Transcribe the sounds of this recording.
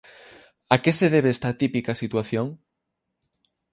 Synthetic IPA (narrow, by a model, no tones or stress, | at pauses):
akeseðeβeest̪at̪ipikasit̪waθjoŋ